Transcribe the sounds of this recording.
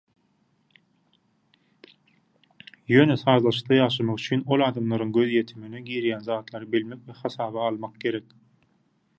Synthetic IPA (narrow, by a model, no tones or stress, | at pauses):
jø̞ːneθɑːzlˠɑʃɯ̥q̚d̪ˠɑjɑːʃɑmɑʁyt͡ʃʰyːno̞lˠɑːd̪ɑmlˠɑɾɯŋɡø̞zje̞t̪ʰimineɡiːɾjæːnzɑːt̪lˠɑɾɯbilme̞kveχɑsɑːβɑːlˠmɑq̚ɡe̞ɾek